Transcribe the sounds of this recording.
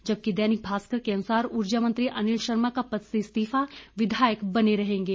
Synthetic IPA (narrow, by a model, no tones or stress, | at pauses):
d͡ʒɐb̚kid̪ɛːnɪk̚bʱaːskəɾkeɐnʊsaːɾʊɾd͡ʒamə̃nt̪ɾiʔɐnɪlʃɐɾmakapɐt̪sest̪iːfaʋɪd̪ʱaːjəkbɐneɾɐɦẽːŋɡeː